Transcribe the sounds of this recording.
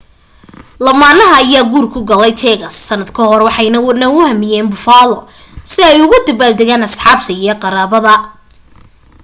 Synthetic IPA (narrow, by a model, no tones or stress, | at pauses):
lɐmaːnɐɦɐːjaːɡuːrkʰʊɡɐlɛjt͡ʃ̪ʰɛːɣɐsːɐnːɐd̪kʰɐhɔrwɑħɑjnɐnɐʊhɐmɪjɛːnbʊfaːlɔ | sɪɛjʊɣʊd̪ɐbaːld̪ɛɣaːnɐsħɑːbt̪ʰɐijɞqɑɾaːβɐðɐ